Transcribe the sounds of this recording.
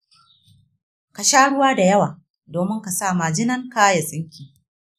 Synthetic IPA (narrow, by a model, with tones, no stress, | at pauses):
ka˨ʃaː˦ɽʊ˦waː˦da˨jɐ˦waː˨ | doː˨mɪ˦ŋka˨saː˦˨maː˨d͡ʒɪ˦nɐ˦ŋkaː˦ja˨sʼɪ˦ŋkʲiː˨